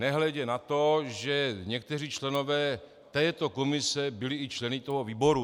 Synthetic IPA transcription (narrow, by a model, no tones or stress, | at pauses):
nɛɦlɛɟɛnat̪o̞ʒɛɲɛk̚t̪ɛr̝iːt͡ʃlɛno̞vɛː | t̪ɛːt̪o̞komɪsɛbɪlɪɪt͡ʃlɛnɪt̪oɦoviːbo̞ɾu